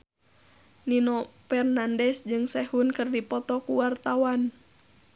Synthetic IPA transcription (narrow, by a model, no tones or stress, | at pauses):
ninɔfɛrnandɛsd͡ʒɨŋsɛhunkɨrdipɔt̪ɔkuwart̪awan